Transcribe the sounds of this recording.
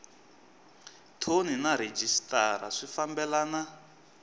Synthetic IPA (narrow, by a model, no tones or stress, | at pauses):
tʰoninaɾed͡ʒistʼaɾa̰ʂifambɛlaːna